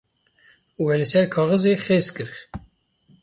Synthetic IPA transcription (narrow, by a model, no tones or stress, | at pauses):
wɛlɨsɛɾkʰɑːɣɨzexeːzkɨɾx